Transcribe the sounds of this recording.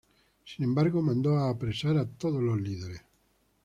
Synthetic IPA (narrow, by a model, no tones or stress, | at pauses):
sinembaɾɡomãnd̪ɔaːpːɾesaɾat̪ːoðolozliðeɾe